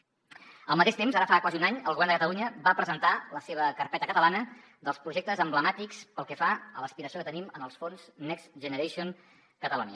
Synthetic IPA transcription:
əlˠmət̪eʃt̪emzaɾəfakwaziunaɲəlɣuβɛrnd̪əkət̪əluɲəbapɾəzənt̪aləseβəkərpɛt̪əkət̪əlanə | d̪əlˠspɾuʒek̚t̪əzəmbləmat̪ikspəlˠkɛfaələspiɾəsiokət̪ənimənəlˠsfonz̥nɛksʒənəɾeʃion | kət̪əluniə

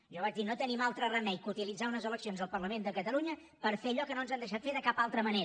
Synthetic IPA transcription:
ʒɔβad͡ʒd̪inot̪ənimalˠt̪ɾərəmɛjkut̪ilid͡zaunəzələksionzəlˠpərləmend̪əkət̪əluɲə | pəɾfeəʎɔkənoənzand̪əʃ̬at̪feðəkapalˠt̪ɾəməneɾ

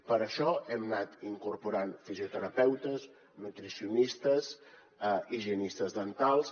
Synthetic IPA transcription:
pəɾəʃɔɛmnat̪iŋkuɾpuɾanfiziut̪əɾəpɛwt̪əz | nət̪ɾisiunist̪əz | əiʒiənist̪əzðənt̪alˠs

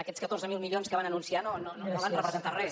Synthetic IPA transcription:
əkɛt͡sskət̪orzəmilˠmiʎionskəβanənunsianonononoβanrəpɾəzənt̪arɛ

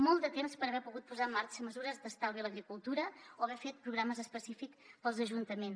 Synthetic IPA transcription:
mɔlˠd̪ət̪emspəɾəβɛpuɣut̪̚puzaəmːaɾt͡ʃəməzuɾəzd̪əst̪awiləɣɾikulˠt̪uɾəoəβɛfet̪̚pɾuɣɾaməzəspəsifikspəlˠzəʒunt̪əmens

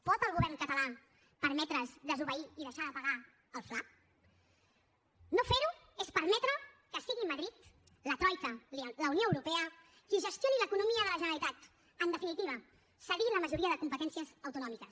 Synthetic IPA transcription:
pɔt̪əlˠɣuβɛrŋkət̪əla | pəɾmɛt̪ɾəzd̪əzuβəiiðəʃaðəpəɣa | əlˠfla | nofeɾu | espəɾmɛt̪ɾə | kəsiɣiməðɾit̪ | lət̪ɾɔjkəlləunjoəwɾupɛə | kiʒəst̪joniləkunumiəðələʒənəɾlit̪at̪ | ənd̪əfinit̪iβ̞ə | səɣiləməʒuɾiəðəkumpət̪ɛnsiəzəwt̪unɔmikəs

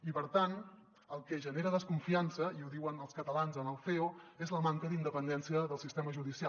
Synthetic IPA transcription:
ipəɾt̪an | əlˠkɛʒəneɾəðəskuɱfiansəiuðiwənəlˠskət̪əlanzənəlˠfeoezləmaŋkəðind̪əpənd̪ɛnsiəðəlˠsist̪eməʒuðisia

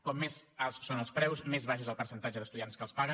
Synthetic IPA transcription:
kɔmːezalˠssonəlˠspɾɛwsmezβaʃ̬ezəlˠpəɾsənt̪ad͡ʒəðəst̪uðijanskəlˠspaɣə

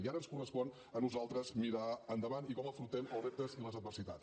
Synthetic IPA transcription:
iaɾənskurəspɔn | ənuzalˠt̪ɾəzmiɾaənd̪əβanikɔməfɾut̪ɛnəlˠrep̚t̪əziləzəd̪̚bərsit̪a̰t̪

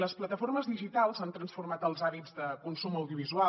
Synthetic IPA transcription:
ləsplət̪əforməzðiʒit̪alˠzant̪ɾənsfurmat̪əlˠzaβid͡zðəkunsuməwðjuβizua

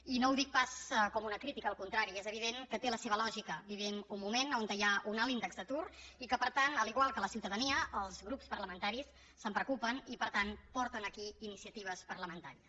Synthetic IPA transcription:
inowðik̚paskɔmunəkɾit̪ikəːəlˠkunt̪ɾaɾiezəβ̞iðeŋkət̪eləseβəlɔʒikəβiβinumːumenont̪əjaʔunalind̪əɡzd̪ət̪uɾikəpəɾt̪anəliɣwalˠkələsiwt̪əðəniəːlˠzɣɾupspəɾləmənt̪aɾisː | əmpɾəkupənipəɾt̪anpɔɾt̪ənəkiinisiət̪iβ̞əspərləmənt̪aɾiəs

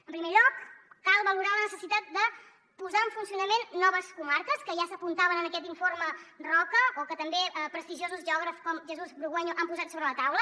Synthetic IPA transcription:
əmpɾimeʎɔkːalˠβəluɾalənəsəsit̪at̪̚d̪ə | puzaəɱfunsiunəmenːɔβəskumaɾkəskəʒasəpunt̪aβənənəkɛt̪iɱformərɔkəokət̪əmbepɾəst̪iʒiozuzʒɔɣɾəfskɔmʒəzuzbɾuɣɛɲuʔampuzat̪soβɾələt̪awlə

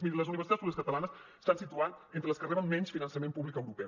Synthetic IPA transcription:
iləzuniβɾsit̪atspuβliəs̬kət̪əlanəs | st̪ansit̪uanent̪ələskəriβəmmɛɲsfinənsəmempuβlikəwɾupɛ

